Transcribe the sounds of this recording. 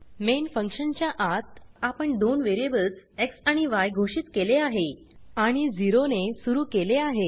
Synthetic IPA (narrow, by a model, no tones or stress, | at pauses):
menfəŋkʂənt͡ɕjaʔat̪apəɳd̪onʋeɾiebəlseksaɽ̃iʋajɡʱoɕiːt̪keleaɦe | aɽ̃id͡ziɾonesuɾuːkeleaɦe